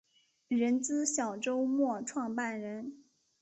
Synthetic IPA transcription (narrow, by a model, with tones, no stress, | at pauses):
ɻə˧˥nt͡sɹ̩˥ɕjɑ˨˩ʊʈ͡ʂo˥ʊmwɔ˥˧ʈ͡ʂʰwɑ˥˧ŋpa˥˩nɻə˧˥n